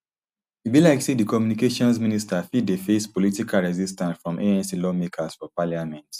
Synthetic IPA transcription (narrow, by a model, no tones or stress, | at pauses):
tubilaɪksidikɔmjunikeʃɔ̃nsministafid̚defespɔlitikʰalɹɛzistãnsfɹɔ̃mʔeɛ̃nsilɔmekʰasfɔpaljamɛ̃nt